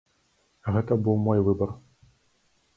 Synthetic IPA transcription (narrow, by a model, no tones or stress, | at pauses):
ɣɛt̪ɐbɨwmɔjvɨbɐr